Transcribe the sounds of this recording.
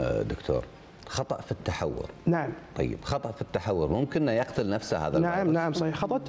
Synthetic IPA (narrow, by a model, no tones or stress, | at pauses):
d̪ʊkt̪ʰo̰ːɾ | xɑt̪ˤɑʔfit̪ːaħa̰wːʊ̰ɾnaʕamt̪ˤɑ̰jːɪ̰bxɑt̪ˤɑʔfit̪ːaħawːʊɾmʊmkɪnːajɑqt̪ʊlnafsaha̰ːðalnaʕamnaʕʕmsˤɑhiːħxɑt̪ˤɑʔ